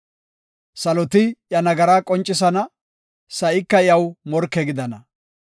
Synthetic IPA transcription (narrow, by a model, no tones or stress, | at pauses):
sɐlɔt̪ɪjɐnɐɡɐɾaːkʼɔnt͡ʃʼːɪs̬ɐnɐ | sɐʔɪkːɐjɐwmɔɾkːɛɡɪd̪ɐnɐ